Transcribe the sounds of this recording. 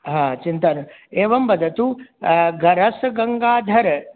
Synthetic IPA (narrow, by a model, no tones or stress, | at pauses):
ɦãːt͡ʃint̪ɐnɐ | eːʋɐmbɐd̪ʱɐt̪uɡɐɾɐsɡɐŋɡaːd̪ʱɐɾ